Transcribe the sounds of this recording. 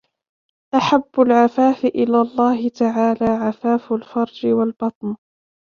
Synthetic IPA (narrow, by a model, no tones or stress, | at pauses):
ʔaħabːʊlʕafaːfɪʔɪlaːlˤːɑːhɪt̪aʕaːlaːʕafaːfʊlfɑɾˤd͡ʒɪwalbɑt̪ˤn